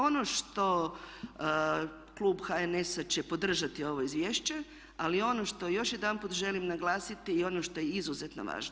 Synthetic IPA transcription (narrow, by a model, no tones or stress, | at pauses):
o̞noʃt̪o̞ | klˠuːbxaenesat͡ɕe̞po̞d̪r̩ʒat̪io̞ʋo̞izʋjeːʃt͡ɕe̞ | alio̞no̞ʃt̪o̞jo̞ʃjed̪anput̪ʒe̞limnaɡlˠaːsit̪iːo̞noʃt̪o̞jeizuzet̪no̰ʋa̰ːʒno